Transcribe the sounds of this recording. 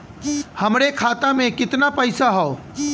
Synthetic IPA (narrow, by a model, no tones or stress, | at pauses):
hɐmɾekʰaːt̪amẽkɪt̪napɐɪsaɦɔo